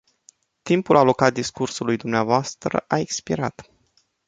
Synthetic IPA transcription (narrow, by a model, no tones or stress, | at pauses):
t̪impulalo̞kat̪̚d̪iskursulujd̪umneavoast̪ɾə̰ʔaekspiɾat̪